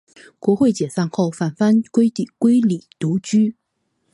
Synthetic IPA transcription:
kwɔ˧˥xwe˥˩ɪt͡ɕjɛ˨˩sa˥˧nxo˥˩ʊfa˨˩nfa˥nkwe˥ɪt̪i˨˩kwe˥ɪli˨˩t̪u˧˥t͡ɕy˥

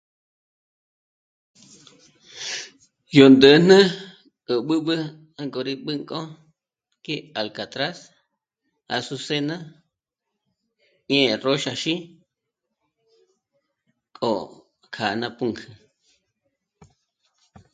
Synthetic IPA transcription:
jo˨nd̪ə˨˦n̥nə̃˦ | kʼə˨ɓɨ˦ɓɨ˦ | a˧ŋko˨ɾi˧ɓɨ˦ŋkʼo˦ | ke˦a˨lka˨t̪ɾa˦s | a̰˨su˧se˦nã˦ | ɲẽ˦˨ro˦ʃa˧ʃi˦ | kʼo˨ | kʰa˨nã˧pu˦ŋkʰɨ˨

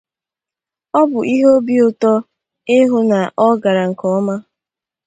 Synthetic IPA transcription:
ɔ˦bʊ˨ʔi˦ɦo˦bi˦o˨tɔ˦ | ɪ˦ɦʊ˦na˨ʔɔ˦ɡa˨ɾa˨ŋ̩˨kɔ˨˦ma˦

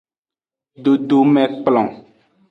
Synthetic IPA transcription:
ɖo˨ɖo˨mɛ̃˨k͡plɔ̰̃˨

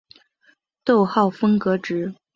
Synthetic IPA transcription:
t̪o˥˧ʊxɑ˥˩ʊfɤ˥ŋkɤ˧˥ʈ͡ʂɻ̩˧˥

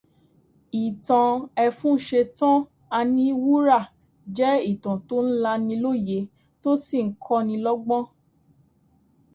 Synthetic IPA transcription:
i˨tã˨˧ɛ˧fũ˦n̩˦ʃe˧tã˦ | a˧nĩ˧˦˧wu˦ɾa˦˨ | d͡ʒɛ˦i˦˨tã˨to˦n̩˦la˧nĩ˧lo˦˨je˧˦ | to˦si˦˨ŋ̩˦kʰɔ˦nĩ˧lɔ˦ɡ͡bɔ̃˦

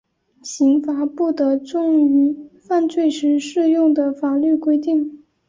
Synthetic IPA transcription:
ɕi˧˥ŋfa˨˩˦pu˥˩t̪ə˧˥ʈ͡ʂʊ˥˩ŋy˧˥fa˥˧nt͡swe˥˩ɪʂɻ̩˧˥ʂɻ̩˥˧jʊ˥˩ŋd̪ə˩fa˨˩ly˥˩kwe˥ɪt̪i˥˩ŋ

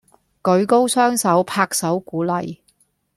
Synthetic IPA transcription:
kɵ˨˧˥ɥko˥wsœː˥ŋsɐ˨˥wpʰaː˧k̚sɐ˨˥wkuː˨˥lɐ˨j

